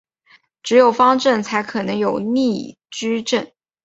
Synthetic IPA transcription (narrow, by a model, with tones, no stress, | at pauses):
ʈ͡ʂɻ̩˧˥jo˨˩ʊfɑ˥ŋʈ͡ʂə˥˩nt͡sʰa˧˥ɪkʰɤ˨˩nɤ˧˥ŋjo˨˩ʊni˥˩ | ʈ͡ʂɻ̩˥ʈ͡ʂə˥˩n